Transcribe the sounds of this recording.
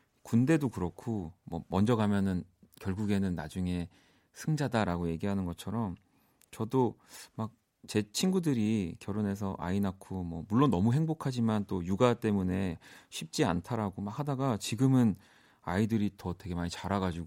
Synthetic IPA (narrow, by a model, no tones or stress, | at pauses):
kunde̞dokɯɾʌkʰomʌ̰mʌnd͡ʑʌɡamjʌnɯnkjʌɭɡuɡe̞nɯnːad͡ʑuŋe̞ | sʰɯŋd͡ʑadaɾaɡoje̞ɡiɦanɯnɡʌt͡ɕʰʌɾʌm | t͡ɕʌdomak̚ | t͡ɕe̞t͡ɕʰinɡudɯɾikjʌɾone̞s̬ʰʌʔa̰inakʰomʌ̰muɭːonːʌmuɦe̞ŋbokʰad͡ʑimant͈ojuɡat͈e̞mune̞ɕʰip̚t͡ɕ͈ia̰ntʰaɾaɡomak̚hadaɡat͡ɕiɡɯmɯn | aidɯɾitʌte̞ɡe̞maɲit͡ɕaɾaɡad͡ʑiɡo